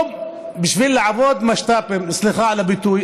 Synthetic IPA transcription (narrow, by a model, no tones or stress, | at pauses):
m | bɪʃvilːaʕavod̪maʃt̪aːpemɪsliχaʕalabɪt̪uj